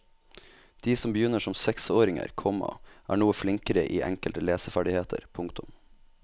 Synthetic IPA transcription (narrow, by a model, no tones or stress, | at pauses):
d̪̥iːsɔmbəjʏnəʂɔmsɛksoːɾɪŋə̰ɾkʰɔmːɑ̰ʔæ̰ːɳuːəflɪŋkəɾəʔiːʔɛŋkəlt̪əleːsəfæɖɪheːt̪ʰə̰ɾpʰʊŋkt̪ʊm